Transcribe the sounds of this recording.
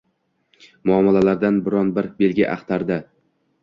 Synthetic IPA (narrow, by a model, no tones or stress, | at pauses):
mʊɒmːɪlalaɾd̪anbɪɾɒnbɪɾbe̞lɡʲɪʔa̰χt̪ʰaɾd̪a